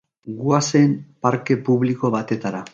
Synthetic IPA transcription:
ɡuasempaɾke̞puβliko̞βat̪e̞t̪aɾa

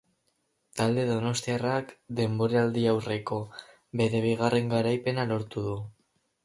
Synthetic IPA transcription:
t̪ald̪e̞ðo̞no̞st̪iarakd̪e̞mbo̞ɾeald̪iawre̞ko̞ | be̞ɾe̞β̞iɣ̞arʔe̞ŋɡaɾajpe̞nalo̞ɾt̪uðu

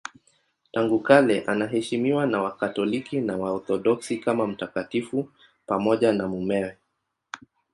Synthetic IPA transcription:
taŋɡukalɛʔanaɦɛʃimiwanawakatɔlikinawaɔθɔɗɔksikamam̩takatifu | pamɔʄanamumɛwɛ

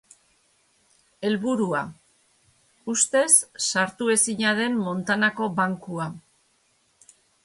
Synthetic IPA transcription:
e̞lβuɾua | ust̪e̞sːaɾt̪ue̞siɲaðe̞mmo̞nt̪anako̞βaŋkua

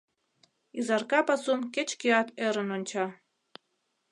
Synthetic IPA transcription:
izɑrkɑpɑsumket͡ɕkiɑt̪eɾənonʲt͡ɕɑ

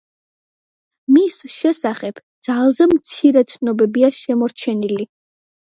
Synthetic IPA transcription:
misʃɛsaχɛb̥d̪̥z̥alˠzɛmt̪sʰiɾɛt̪sʰnɔbɛbiaʃɛmɔɾt͡ʃʰɛnili

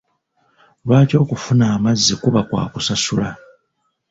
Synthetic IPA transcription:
lwaːto̞ːkufunaːmazːikuβakwa̰ːkusasula

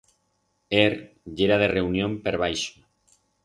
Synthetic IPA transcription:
eɾ | ʝeɾað̞ereunjompeɾβ̞ajʃo̥

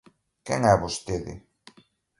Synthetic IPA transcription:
kɛŋɛβost̪eðɪ̰

